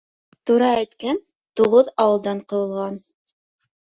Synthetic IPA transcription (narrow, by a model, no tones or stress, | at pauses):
t̪uɾɑæjt̪kæn | t̪uʁɤðɑwɤ̆lˠd̪ɑɴqɤ̆wɤ̆lˠʁɑn